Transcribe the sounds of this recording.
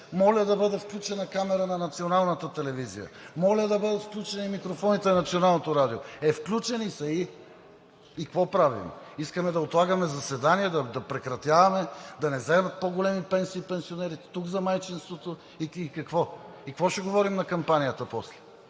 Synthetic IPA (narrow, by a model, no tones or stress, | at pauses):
mɔlʲəd̪ɐbɤd̪ɛfklʲut͡ʃɛnɐkamɛɾənɐnɐt̪sionalˠnət̪ət̪ɛlɛvizḭjə̰mɔlʲəd̪ɐbɤd̪ət̪fklʲut͡ʃɛnimikɾofɔnit̪ɛnɐt̪sionalˠnot̪oɾad̪ioɛfklʲut͡ʃɛnisɐi | ikkvɔpɾavḭmiskəmɛd̪ɐot̪lˠaɡəmɛzɐsɛd̪aniɛd̪ɐd̪ɐpɾɛkɾɐt̪ʲjavɐmɛd̪ɐnɛzɛmət̪̚poɡolɛmipɛnsiːpɛnsionɛɾit̪ɛ̥t̪uɡzɐmajt͡ʃinst̪vot̪o | iikɐkvɔ | ikvɔʃɛɡovɔɾimnɐkɐmpanijət̪əpɔslɛ